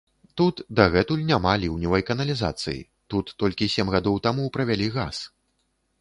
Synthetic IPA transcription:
t̪ut̪d̪aɣɛt̪ulʲnʲamalʲiwnʲivɐjkɐnɐlʲiza̰t̪sɨ̰jḭ | t̪ut̪ːɔlʲkʲisʲɛmɣad̪ɔwt̪amupɾɐvʲalʲiɣa̰s

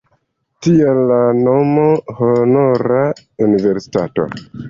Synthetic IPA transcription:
tielːano̞mohonoɾa | unive̞ɾsi̥tato̰

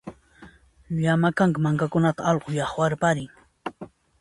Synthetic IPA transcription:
ʎamakaŋkɪmaŋkakʊnat̪aɑʎqojɑχwaɾpaɾɪŋ

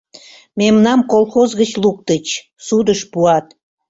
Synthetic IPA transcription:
memnɑmkolˠxozɣət͡ɕluk̚t̪ət͡ɕ | sud̪əʃpuɑt̪

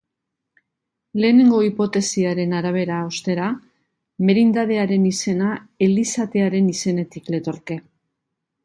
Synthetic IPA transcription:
le̞ːne̞ŋɡo̞ipo̞t̪e̞siaɾe̞naɾaβ̞e̞ɾaost̪e̞ɾa | me̞ɾind̪að̞e̞aɾe̞nise̞nae̞lisat̪e̞aɾe̞nise̞ne̞t̪ikle̞t̪o̞ɾke̞

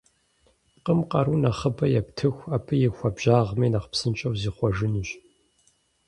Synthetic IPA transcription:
qəmqɐɾunɐχəbɐjɛptʰɨxʷaːpʰɨjɪxʷɐbʒ̥aːʁmɐːnɐχpsɨnt͡ʃʼɐwziːχʷɔʒɨnɨɕ

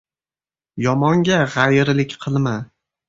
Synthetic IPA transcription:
jɒmɒŋɡʲaʁajɾlɪkʲqʰɨlˠma

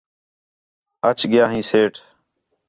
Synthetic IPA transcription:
ət͡ʃɠɪjaːɦĩːseːʈʰ

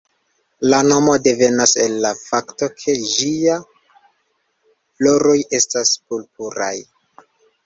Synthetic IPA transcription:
lano̞mo̞de̞ve̞nase̞lːafakto̞kʰe̞d͡ʒia | flo̞ɾo̞je̞staspulp̚uɾa̰j

